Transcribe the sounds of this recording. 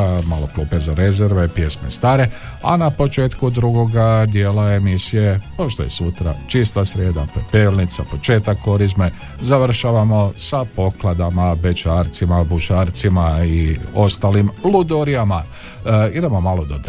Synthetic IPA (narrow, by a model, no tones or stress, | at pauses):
maːlo̞kluːpezaɾe̞zeɾʋe̞pje̞smḛst̪aːɾe̞ | a̰napo̞t͡ʃe̞ːt̪kud̪ɾuɡo̞ɡad̪jeːlae̞misije̞poʃt̪ojesut̪ɾa̰t͡ʃist̪asɾeːd̪apoeepelnit̪sapo̞t͡ʃe̞ːt̪akːo̞ɾizme | zaʋr̩ʃaʋamo̞sapo̞klˠad̪amabe̞t͡ʃaːɾt̪simabuʃaːɾt̪simaio̞st̪aːlimlud̪oɾijama | id̪e̞mo̞maːlo̞d̪od̪